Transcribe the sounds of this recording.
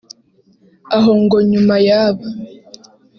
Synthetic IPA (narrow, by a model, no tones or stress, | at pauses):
aɦoŋɡo̞ɲumajaːβa